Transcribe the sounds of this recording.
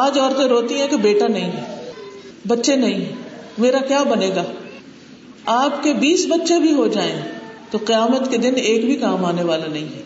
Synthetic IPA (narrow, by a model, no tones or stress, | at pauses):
aːd͡ʒɔːɾt̪ẽɾoːt̪iɦɛ̃kebeːʈanɐɦĩɦɛː | bɐtːʃenɐɦĩɦɛːmeːɾakjaːbɐneːɡaː | aːpkebiːsbɐtːʃebʱiɦod͡ʒaːẽt̪oqɪjaːmət̪ked̪ɪneːkbʱikaːmaːneʋaːlanɐɦĩɦɛː